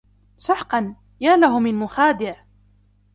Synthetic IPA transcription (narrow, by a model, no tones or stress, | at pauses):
sʊħqɑn | jaːlaɦʊmɪnmʊxaːd̪ɪʕ